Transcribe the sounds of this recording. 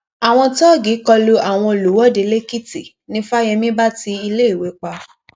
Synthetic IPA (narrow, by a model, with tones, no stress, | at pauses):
a˨w̃ɔ̃˧tɔ˦˨ɡi˨˦kɔ˧lo˦a˨w̃ɔ̃˧˨lo˨˦wɔ˦˨de˧le˦ki˦ti˨ | nĩ˦fa˦j̃ɛ̃˧mĩ˦ba˦ti˧i˧le˦i˦˨we˨˦k͡pa˧